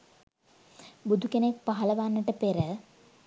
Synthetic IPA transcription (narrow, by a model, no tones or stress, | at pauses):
bud̪ʱukenek̚paɦɐləʋanːəʈəpeɾə